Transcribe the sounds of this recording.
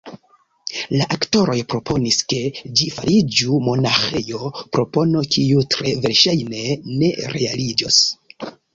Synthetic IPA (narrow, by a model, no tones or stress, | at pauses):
laʔakto̞ɾo̞jpɾo̞pʰo̞niske̞d͡ʒifaɾid͡ʒumo̞naxe̞jo̞pɾo̞po̞no̞kiutɾe̞ve̞ɾʃajne̞ne̞̰ɾe̞̰alid͡ʒo̰s